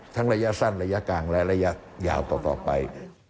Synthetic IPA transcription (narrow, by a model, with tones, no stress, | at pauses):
t̪ʰa˦˥ŋɾa˧ja˦˥ʔsa˥˩nɾa˧ja˦˥kaː˧ŋlɛ˦˥ʔɾa˧ja˦˥ | ja̰ː˨˩wt̪ɔː˨˩t̪ɔ̰ː˨˩pa˧j